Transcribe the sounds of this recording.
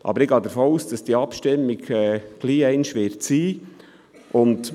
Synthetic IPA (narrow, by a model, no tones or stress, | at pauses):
ʔɑ̰bəɾɪɡɑːd̪əɾfoːuːsd̥ɑsd̥iəɑpʃtɪmːɪɡɛːɡ̥liːɛɪnʃʋɪɾtsiː | ʔʊnd